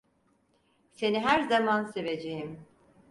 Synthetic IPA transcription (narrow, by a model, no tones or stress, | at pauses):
se̞niɦæɾzamanse̞ve̞d͡ʒejim